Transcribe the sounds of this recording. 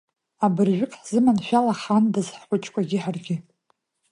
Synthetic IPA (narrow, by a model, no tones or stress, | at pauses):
abɨrʒʷᶣʊkʼħz̥ɨmanʃᶣalaχandazħħʷʊt͡ʃʰʼkʷʼaɡʲɪħarɡʲɪ